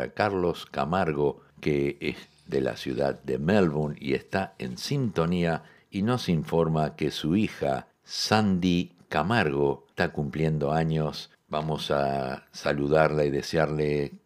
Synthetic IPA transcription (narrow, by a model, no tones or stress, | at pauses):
a̰kaɾlo̞ska̰maɾɣo̞kees | ðela̰sjṵða̰ð̚d̪emelβunḭḛst̪aensint̪o̞nia | ino̞siɱfo̞ɾmakesuixa̰ | sand̪i | kamaɾɣo̞t̪akumplje̞nd̪o̞aɲo̞s | bamo̞sa̰saluð̞aɾlaiðesjaɾle